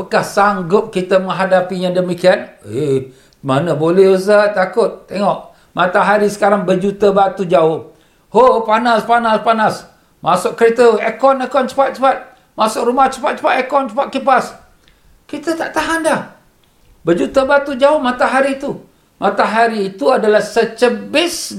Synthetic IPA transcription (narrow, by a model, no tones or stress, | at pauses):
pəkahsaŋɡʊp̚kit̪əmə̃ŋɦadapijaŋdəmikiane | manəbolɛhus̬at̪akʊt̪̚ːeŋɔʔ | mat̪aɦaɾisə̥kaɾaŋbəd͡ʒut̪əbat̪ud͡ʒaʊ | hopanaspanaspanas | masʊʔ̚kəɾet̪əekɔnekɔnt͡ʃə̥pat̪̚t͡ʃəpat̪̚ | masʊkɾumaht͡ʃə̥pat̪̚t͡ʃə̥pat̪ekɔnt͡ʃəpat̪̚kipas | kit̪ət̪aʔt̪aɦandah | bəd͡ʒut̪əbat̪ud͡ʒaʊmat̪aɦaɾiːt̪u | mʔat̪aɦaɾiːt̪uadalahsət͡ʃəbɪs